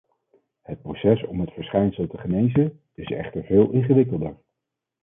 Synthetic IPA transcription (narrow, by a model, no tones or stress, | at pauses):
hət̚prowsɛsɔmɦətfəɹsχɛjnsəlˠtəχənejzə | ɪsɛ̰χtəɹvɪːlˠʔɪnχəʋɪkəlˠdəɹ